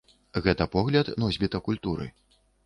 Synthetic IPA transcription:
ɣɛt̪ɐpɔɣlʲɐd̪nɔzʲbʲit̪ɐkulʲt̪uɾɨ̰

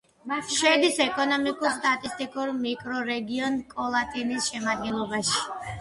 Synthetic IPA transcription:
ʃɛd̪isɛkʼɔnɔmikʼuɾst̪ʼat̪ʼist̪ʼikʼuɾmikʼɾɔɾɛɡiɔnkʼɔlˠat̪ʼinisʃɛmad̪̚ɡɛnlˠɔbaʃi̥

